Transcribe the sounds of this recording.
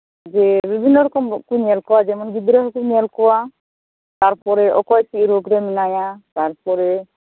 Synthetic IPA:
d͡ʒɛbibʱinːɔɾɔkɔmkuɲɛlkɔwad͡ʒɛmɔnɡid̪ɾɔɦɔkuɲɛlkɔwa | t̪aɾpɔɾɛʔɔkɔjt͡ʃiɾoɡɾɛminajat̪aɾpɔɾɛ

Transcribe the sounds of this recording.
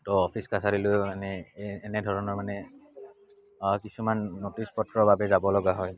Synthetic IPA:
tɔɔpʰiskasaɾilʊmanɛːnɛdʱɔɹɔnɔɹmanɛ | kisumanːotispɔtɹɔbabɛzabɔlɔɡaɦɔj

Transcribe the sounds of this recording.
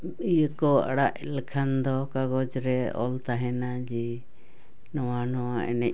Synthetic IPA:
ijəkɔa̰ɽaʔlɛkʰand̪ɔkaɡɔd͡ʒɾɛɔ̰lt̪aɦɛnad͡ʒɛ | nɔwanɔwaʔɛ̰nɛʔ

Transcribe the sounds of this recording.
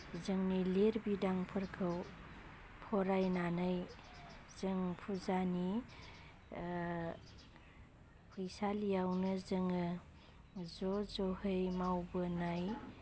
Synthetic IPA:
zɯŋnileɾbidaŋpʰɯɾkʰɯw | pʰɔɾajnanɯj | zɯŋpʰuzani | pʰɯjsalijawnɯzɯŋɯ | zɔzɔhɯjmawbɯnaj

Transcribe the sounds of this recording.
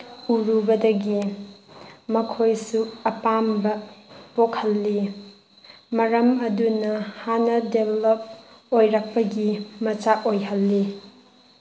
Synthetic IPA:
uɾubɐdɐɡi | mɐkʰojsuɐpambɐpokʰhɐlːi | mɐɾɐmɐdunɐhanɐdebelop̚ | ojɾɐk̚pɐɡimɐt͡ʃaʔojɦɐlːi

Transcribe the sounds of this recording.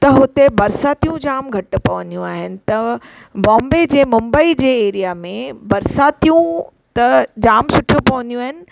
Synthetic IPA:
t̪ɐɦʊt̪ebɐɾsaːt̪ijũd͡ʑaːmɡʱɐʈ̆pɐʋɐ̃nd̪ijũaːɦɪnɪ̆t̪ɐ | bɔ̃ːmbed͡ʑeːmʊ̃mbəid͡ʑeːeːɾijamẽbɐɾsaːt̪ijũ | t̪ɐd͡ʑaːmsʊʈʰijũpɐʋɐ̃nd̪ijũaːɦɪnɪ̆

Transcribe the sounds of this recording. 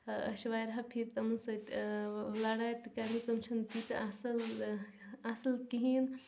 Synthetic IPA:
ɐ̰ʃʋaːjɾɦɐpʰiɾt̪ɐmɐnsɐ | laːɽaːjt̪kɐɾit̪ɐmt͡ʃʰɐnpit̪asɐl | ɐsɐlkiɦiːn

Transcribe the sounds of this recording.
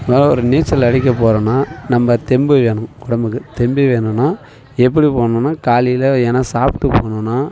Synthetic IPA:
mɐɔɾɯniːt͡ʃːɐlɐɽɪk̬ʲːɐpoːɾɐ̃ːnːaːnɐmbɐt̪ɛmbɯʋeːɳɯ̃kʊɽɐmbɯkːɯt̪ɛmbiʋeːɳɯnːaː | ɛp̬ːɐɽipoːɳʊ̃nːaːkaːlijlɐɛnɐsaːpʈ̪ːɯpoːɳʊ̃nːaː

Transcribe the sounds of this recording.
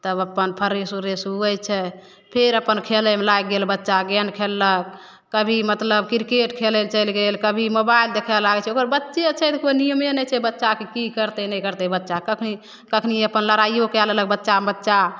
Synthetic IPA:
t̪əbəpːənpʰəɾesuɾesuəjt͡ʃʰɛ | pʰeɾəpənkʰeləmelaɡelbətːʃaɡɛnkʰelːək̚ː | əbʱimət̪ləb̚kiɾkeʈkʰeləlt͡ʃəɪlɡelkəbʱimobaild̪ekʰɛlaɡɛt͡ʃʰɛokəɾbətːʃet͡ʃʰɛt̪konijəmenɛt͡ʃʰɛbətːʃakikikəɾt̪ɛnɛkəɾt̪ɛbətːʃakəkʰni | kəkʰniəpənləɾaijokeallək̚bətːʃabətːʃa

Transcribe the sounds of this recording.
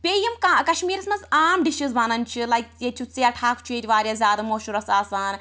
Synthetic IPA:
pʲeːjɐmkakɐʃmiːɾɐsmɐnzaːmɖiʃɨzbaːnɐnt͡ʃʰilajkjet͡ʃʲʰut͡sːijɐʈʰaːkt͡ʃʰueːt̪ʲiʋaːɾʲjaːzʲjaːd̪ɐmoːʃuɾɐsaːsaːn

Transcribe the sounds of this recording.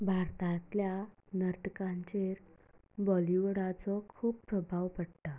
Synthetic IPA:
bʱaɾt̪ãt̪lja | nəɾt̪əkãɲt͡ɕeɾ | bɔliʋɽat͡sɔkʰuːppːɾəbʱaʋpəɽt̪a

